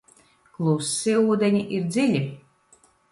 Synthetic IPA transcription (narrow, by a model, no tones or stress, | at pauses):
klˠusːiuːd̪ɛɲʲiʔiɾd̪zʲilʲi